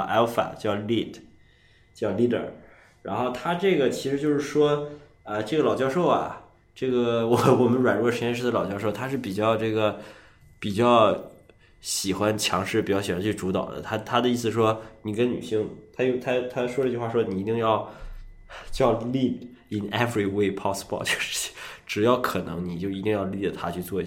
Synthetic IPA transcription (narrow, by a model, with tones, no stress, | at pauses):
ʔɛ˥fa̰˨˩t͡ɕjɑ˥˩˧ʊli˥˩tʰ | t͡ɕjɑ˥˩˧ʊli˥˩də̰˨˩ | ɻa˧˥nxo˥˩ʊt̪ʰa˥ʈ͡ʂɤ˥˩ɡə˩t͡ɕʰi˧˥ʂɻ̩˧˥t͡ɕjo˥˧ʊʂɻ̩˥˩ʂwɔ˥ | ə˧ʈ͡ʂɤ˥˩ɡə˩lɑ˨˩ʊt͡ɕjɑ˥˧ʊʂo˥˩ʊɐ̰˩ | ʈ͡ʂɤ˥˩ɡə˩wɔ˨˧˩wɔ˨˩mə˦nɻwa˨˩nɻu˥˩ʂ̩ə˧˥jɛ˥nʂɻ̩˥˩d̪ə˧lɑ˨˩ʊt͡ɕjɑ˥˧ʊʂo˥˩ʊt̪ʰa˥ʂɻ̩˥˩pi˨˩t͡ɕjɑ˥˧ʊʈ͡ʂɤ˥˩ɡə˩ | pi˨˩t͡ɕjɑ˥˩ʊ | ɕi˨˩xwa˥nt͡ɕʰjɑ˧˥ŋʂɻ̩˥˩pi˨˩t͡ɕjɑ˥˩ɕwa˧˥nt͡ɕʰy˥˩ʈ͡ʂu˧˥t̪ɑ̰˨˩ʊd̪ə̰˦t̪ʰa˥t̪ʰa˥d̪ə˨i˥˩s̬ɹ̩˩ʂwɔ˥ni˨˩kə˥nny̰˨˩ɕi˥˩ŋt̪ʰa˥jo˥˩ʊt̪ʰa˥t̪ʰa˥ʂwɔ˥ɾə˧˥t͡ɕy˥xwa˥˩ʂwɔ˥ni˨˩i˧˥t̪i˥˧ŋjɑ˥˧ʊ | t͡ɕjɑ˥˧ʊli˥˩d | i˨˩nɛ˥fɹi˧˩we˥˩ɪpʰɑ˥spɑ̰˥˩t͡ɕo˥˧ʊʂʈ͡ʂɻ̩˨˩jɑ˥˩ʊkʰɤ˨˩nɤ̰˧˥ŋni˨˩t͡ɕjo˥˩ʊi˧˥t̪i˥˧ŋjɑ˥˧ʊli˥˩d̪ə˨˩t̪ʰa̰˥t͡ɕʰy˥˧t͡swɔ˥˧